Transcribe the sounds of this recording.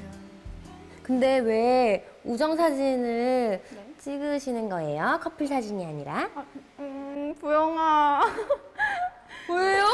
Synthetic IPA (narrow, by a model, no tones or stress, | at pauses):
kɯnde̞we̞ | ud͡ʑʌŋsʰad͡ʑinɯ | t͡ɕ͈iɡɯɕʰinɯnɡʌe̞jokʰʌpʰiɭsʰad͡ʑiɲiaɲiɾa | pujoŋa | poeo